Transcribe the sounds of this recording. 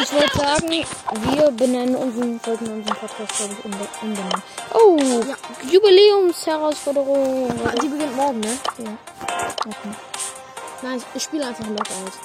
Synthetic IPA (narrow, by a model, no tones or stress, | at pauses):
ɪnshɔltəzaːɡŋ̩iviːɐbənɛnənʊnzʁənfɔltn̩ʊnzʁənpʰɔt̚kʰaːst̚ɡ̥labɪçʊʔʊnbənɛnəʔoːajubileːʊmshɛʁaʊsfɔɐdəʁʊŋdiːbəɡɪntmɔɐɡŋ̩nəjaː | ʔokʰeː | naɪnçʔɪçʃpiːləaɪnfaχnmɔtəaʊs